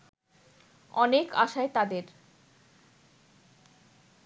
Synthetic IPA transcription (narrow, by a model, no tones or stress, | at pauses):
ɔneka̰ʃaet̪ad̪eɾ